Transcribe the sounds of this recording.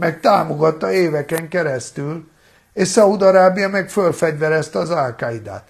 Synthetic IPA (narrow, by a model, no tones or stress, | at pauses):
mɛk̚t̪aːmoɡɒt̪ːɒeːvɛkɛŋkɛɾɛst̪yl | eʃsɒud̪ɒɾaːbijɒmɛkfølfɛɟvɛɾɛst̪ɛɒzalkaid̪a̰ːt̪